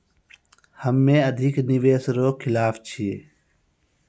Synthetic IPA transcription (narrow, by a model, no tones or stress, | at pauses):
həmːẽːəd̪ʱɪknɪʋeːsɾoːkʰɪlaːft͡ʃʰiḛː